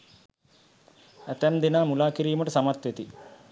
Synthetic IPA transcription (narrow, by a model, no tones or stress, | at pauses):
æt̪æmd̪inaːmulaːkiɾiːuməʈəsamat̪ʋet̪i